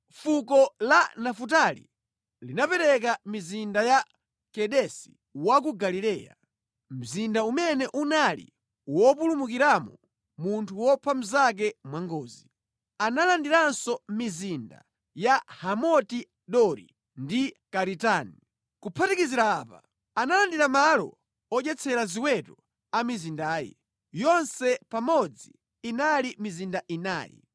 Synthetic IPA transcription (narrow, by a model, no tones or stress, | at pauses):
fukɔlanafutalḭ | linapɛɾɛk̬amizindaja | kɛɗɛsi̥ | wakuɡalilɛːja̰ | m̩zindaumɛnɛʔunalḭ | wɔpulumukiɾamɔ | muntʰuwɔpʰam̩zak̬ɛmwaŋɡɔːzi | analandiɾansɔmizinda̰ | jahamɔti | ɗɔɾḭ | ndikaɾitaːni | kupʰatikiziɾaːpa̰ | analandiɾamalɔ̰ | ɔʄɛt͡sʰɛɾaziwɛtɔ | amizindaːjɛ̰ | jɔnsɛpamɔd͡ziː | nalimizindaʔina̰ːjɛ̰